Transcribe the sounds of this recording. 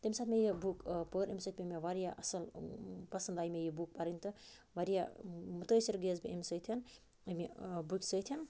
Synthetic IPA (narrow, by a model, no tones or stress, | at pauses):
t̪əmʲisaːt̪ʰmejibukpəɾʔemʲsət̪ʰmemeʋaɾijaʔɐsɐlpɐsɐnd̪aːjmejibuk̚paɾənʲt̪ɨʋaɾijamut̪əsiɾɡezbiemʲsəjt̪ʰin | ɐmebukʲsəjt̪ʰin